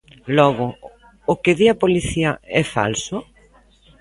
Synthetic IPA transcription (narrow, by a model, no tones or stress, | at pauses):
lɔɣʊː | kɪðiɐpoliθiɐɛfa̰lsʊ